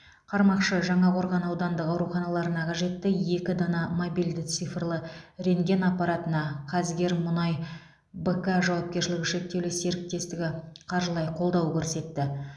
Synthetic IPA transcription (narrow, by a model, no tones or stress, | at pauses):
qʰɑɾmɑqʃəʒɑɴɑqʰo̞ɾʁɑnɑwd̪ɑnd̪əqɑwɾuχɑnɑlˠɑɾənɑqʰɑʒe̞t̪ːɪje̞kʲɪd̪ɑnɑmobijld̪ɪt̪sɨjfrlˠəɾe̞ŋɡʲe̞nɑpːɑɾɑt̪ənɑqʰɑzɡʲe̞ɾmʊnɑj | bəkaʒɑwɑp̚kʲe̞ɾʃɪlʲɪɡʲɪʃe̞k̚t̪e̞wlɪse̞ɾɪk̚t̪e̞st̪ɪɡʲɪqʰɑɾʒəlˠɑjqʰo̞lˠd̪ɑwkʲʰɵɾse̞t̪ːɪ